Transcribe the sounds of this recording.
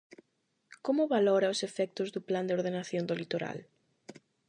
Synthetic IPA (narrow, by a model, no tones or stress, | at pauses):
komʊβalɔɾɐʊsefɛk̚t̪ʊzðʊpland̪eoɾðenaθjond̪olit̪oɾa̰l